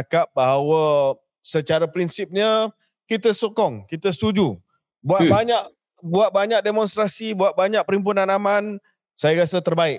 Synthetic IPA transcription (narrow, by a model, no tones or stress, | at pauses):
kap̚baɦawə | sət͡ʃaɾapɾinsip̚ɲə | kit̪əsokɔŋkit̪əsə̥t̪ud͡ʒu | buat̪̚baɲaʔ | buat̪̚baɲak̚demɔ̃nst̪ɾasibuat̪̚baɲak̚pəɾimp̬unanaman | sajaɾasət̪ərbaɪk